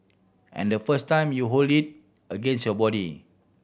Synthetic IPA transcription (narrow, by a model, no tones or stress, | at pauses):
ʔɛ̰̃ndəfəstãj̃mjuɦoldit̚ | əɡẽnsjɔbɔɾḭ